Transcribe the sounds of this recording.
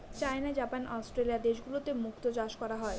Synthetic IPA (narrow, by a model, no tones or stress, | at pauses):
t͡ɕaenad͡ʑapanʔɔsʈɾeliad̪eʃɡulot̪emukt̪od͡ʑaʃkɔɾaɦɔe